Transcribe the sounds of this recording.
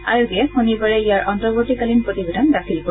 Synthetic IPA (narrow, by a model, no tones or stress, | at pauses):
a̰juɡiɛhunibaɹɛijaɹʔɔntɔbɔtikalinpɹot̪ibedʱandakʰilkɔ